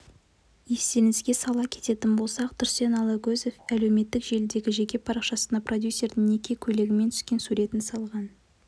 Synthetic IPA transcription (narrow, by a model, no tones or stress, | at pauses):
je̞st̪e̞nɪsɡʲe̞sɑlˠɑkʲʰe̞̥t̪e̞t̪ɪnbo̞lˠsɑqt̪ʰʏɾse̞nɑlˠɑɡʲɵze̞fæle̞wme̞t̪ːɪkʒe̞ld̪e̞ɡʲɪʒe̞kʲe̞pʰɑɾɑqʃɑsənd̪ɑpro̞d̪ʲjusːe̞ɾd̪ɪŋne̞kʲe̞kʲʰɵle̞ɡʲɪmet̪ʰʏ̥skʲe̞nsuɾʲe̞t̪ɪnsɑlˠʁɑn